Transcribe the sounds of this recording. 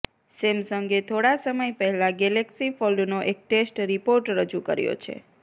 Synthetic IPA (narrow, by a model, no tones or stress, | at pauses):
semsəŋɡet̪ʰoɽasəməjpəɦɛlãɡɛleksifɔlnoʔek̚ʈesʈɾipoɾʈɾəd͡ʒukə̰ɾjo̰t͡ʃʰḛ